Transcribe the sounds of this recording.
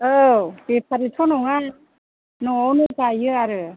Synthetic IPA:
ɯbepʰaɾitʰɔnɔŋa | nɔɔnɯpajɯaɾɯ

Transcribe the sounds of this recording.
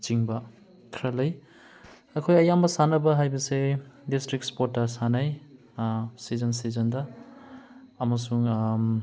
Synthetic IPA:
t͡ʃiŋbɐ | kʰɾalɐj | ɐkʰojɐjambɐsanɐbɐɦajbɐsedistɾik̚spotːɐsanaj | sizɐns̬izɐndɐ | ɐmɐsuŋ

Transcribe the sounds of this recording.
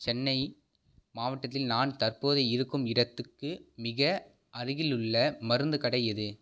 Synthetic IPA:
t͡ʃɛnːɐɪ | maːʋɐʈːɐt̪ːɪlnaːnt̪ɐrpoːðɐɪɪɾɯkːɯmɪɽɐt̪ːɯkːɯmɪɣɐ | ʔɐɾɯɣɪlɯɭːɐmɐɾɯnd̪ɯkɐɽɐjɐðɯ

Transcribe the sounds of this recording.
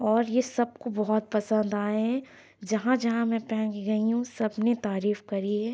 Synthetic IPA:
ɔːɾjesɐb̚kobɐɦʊt̪̚pɐsə̃nd̪aːeɦɛ̃ | d͡ʒɐɦãd͡ʒɐɦãmɛ̃pɛ̃ːkɡɐiɦũsɐbnet̪aːɾiːfkɐɾiɦɛː

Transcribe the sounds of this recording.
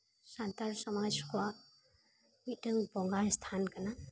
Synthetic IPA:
santaɾsamajskwa | mitɯŋpɔŋɡast̪ʰankana

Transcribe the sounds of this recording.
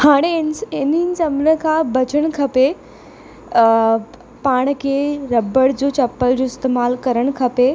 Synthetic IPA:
haːɽ̃enɪnɪnɪ̆t͡ɕɐmɾəkʰãːbɐt͡ɕəɽ̃kʰɐpe | paːɽ̃kʰeːɾɐbəɽd͡ʑoːt͡ɕɐpːəld͡ʑoːɪst̪eːmaːlkɐɾəɽ̃kʰɐpe

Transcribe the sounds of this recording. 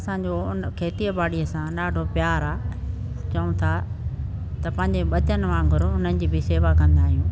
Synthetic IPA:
ɐsãːɲd͡ʑoʊnkʰeːt̪iəbaːɽiəsãɗaːɖʱopjaːɾaː | t͡ɕɐũt̪ʰa | t̪ɐpɐ̃ɦɪ̃ɲ̆d͡ʑeɓɐt͡ɕənɪ̆mãɡʱʊɾʊn̤ənɪ̆d͡ʑiːbɪseːʋakɐ̃nd̪aːɦijũː

